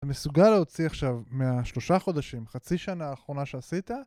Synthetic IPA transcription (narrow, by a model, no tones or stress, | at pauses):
mesuɡaleot͡siaχʃavmeaʃlo̞ʃaχo̞d̪aʃimχat͡siʃanaːχʁo̞naʃe̞asit̪a